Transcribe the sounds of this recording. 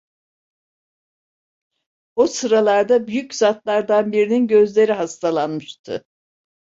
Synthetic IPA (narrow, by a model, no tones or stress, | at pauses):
osɯɾalˠaɾd̪abyjyczat̪lˠaɾd̪anbiɾininɟø̞zlʲe̞ɾiɦast̪ʰalˠanmɯʃt̪ʰɯ̰